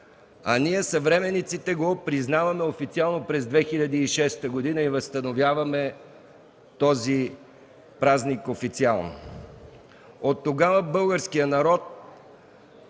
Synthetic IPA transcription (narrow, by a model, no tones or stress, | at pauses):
ɐniɛsɐvɾɛmɛnit̪sit̪ɛɡopɾiznavɐmɛofit̪sialˠnopɾɛzd̪vɛxiʎʲɐd̪əiʃɛst̪əɡod̪inəivəst̪ənovʲjavɐmɛ | t̪ɔzi | pɾaznikofit̪sialˠno̰ | ot̪ːoɡavəbɤlˠɡəɾskijənɐɾɔt̪̚